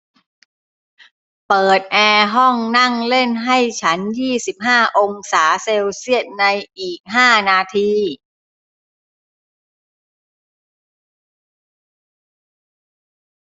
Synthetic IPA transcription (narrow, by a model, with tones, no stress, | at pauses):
pɤː˨˩t̪̚ʔɛː˧ɦɔ˥˩ŋna˥˩ŋle˥˩nɦa˥˩jt͡ɕʰa˦˥njiː˥˩si˨˩p̚ɦaː˥˩ʔo˧ŋsaː˩˦seː˧wsi˥˩ət̪̚na˧jʔiː˨˩k̚ɦaː˥˩naː˧t̪ʰiː˧